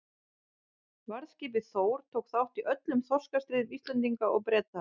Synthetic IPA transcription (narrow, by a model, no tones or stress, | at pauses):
vaɾðscɪːp̬ɪθoːwɾ̥t̪ʰoːwkθawht̪iʔœt̪lʏmθɔ̥skast̪ɾɪːðist̪lɛnt̪iŋkaʔɔɣpɾɛːt̪a